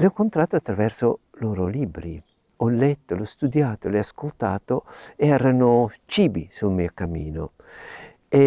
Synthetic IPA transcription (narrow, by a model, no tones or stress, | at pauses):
leɔkːont̪ɾaːt̪ːoat̪ːɾavɛrso | loːɾolibɾi | ɔlːɛt̪ːolɔst̪ud̪jaːt̪oleaskolt̪aːt̪oeɛːɾanot͡ʃiːbisulmiːokamːḭːno̰ | e